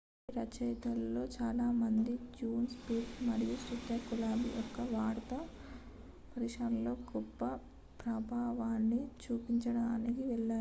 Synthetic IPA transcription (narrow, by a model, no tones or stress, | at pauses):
ɾɐt͡ʃɐjt̪ɐllo̞ːt͡ʃaːlaːmɐnd̪id͡ʒuːnspiːʈmɐɽijuʃɾit̪ːɐkulaːbḭʔɔkːɐʋaːɾt̪ɐ | pɐɾiʂɐnlo̞ːɡɔpːɐ | pɾɐbʱaːʋaːnːit͡ʃuːpiɲt͡ʃɐɽaːnikiʋɛɭːaː